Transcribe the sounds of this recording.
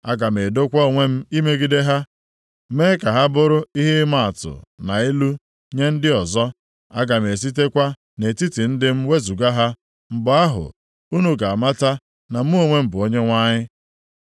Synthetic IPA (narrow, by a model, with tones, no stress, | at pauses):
a˦ɡa˨m˨e˨do˦kʷɔ˦o˨ŋʷe˦m̩˦i˦me˦ɡi˦de˦ɦa˦ | meː˦ka˨ɦa˦bʊ˦ɾʊ˦i˦ɦe˦ma˦a˨tʊ̰˨na˨i˦lu˦ | ɲe˦n̩˦dɪ˦ɔ˨zɔ˦ | a˦ɡa˨m̩˨e˨s̬i˦te˦kʷa˦ | ne˨ti˦ti˨n̩˦dɪ˦m̩˦we˦zu˨ɡa˦ɦa˦ | m̩˨bʊ˨a˦ɦʊ̰˨ | u˦nu˦ɡa˨a˨ma˦ta˦ | na˨m̩˦o˦ŋʷe˦m̩˨bʊ˨o˦ɲe˦ŋʷa˦ɲɪ˦